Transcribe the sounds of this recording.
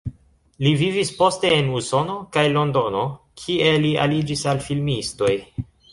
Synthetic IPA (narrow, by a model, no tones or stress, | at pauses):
livivispo̞ste̞ːnuso̞no̞kajlo̞ndo̞no̞ | kʰie̞lia̰lid͡ʒisalfilmisto̞j